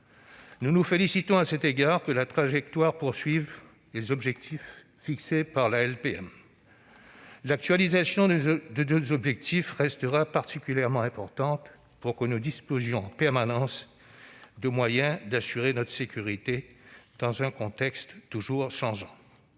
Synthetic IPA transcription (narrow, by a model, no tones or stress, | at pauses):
nunufelisit̪ɔ̃asɛt̪eɡaʁkəlat̪χaʒɛk̚t̪waʁpuʁsɥiv | lezɔbʒɛk̚t̪ʰifː | iksepaʁlaɛlpeɛ̰m | lak̚t̪ɥalizasjɔ̃d̪əd̪øzɔbʒɛk̚t̪ʰifʁɛst̪əʁapaʁt̪ikʲyljɛʁmɑ̃ɛ̃pɔʁt̪ɑ̃t̪ | puʁkənud̪ispozjɔ̃ɑ̃pɛʁmanɑ̃s | d̪əmwajɛ̃d̪asyʁenɔt̪χə̥sekʲyʁit̪ed̪̥ɑ̃zɛ̃kɔ̃t̪ɛkst̪ːuʒuʁʃɑ̃ʒɑ̃